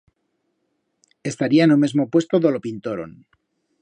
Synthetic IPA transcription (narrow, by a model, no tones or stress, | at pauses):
e̞st̪aɾianomezmopwe̞st̪oðo̞lopint̪oɾo̰n